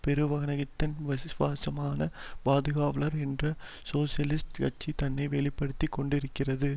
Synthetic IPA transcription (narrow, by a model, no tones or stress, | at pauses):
pɛɾɯʋɐɣɐnɐɣɪt̪ːɐnʋɐsʋaːsɐmaːnɐbaːðɯɣaːʋɐɭɐɾɛndrɐ | soːsɪjɐlɪsʈkɐʈ̚t͡ʃːit̪ɐnːɐɪʋɛɭɪpːɐɽɯt̪ːikːɔɳɖɪɾɯkːɪrɐðɯ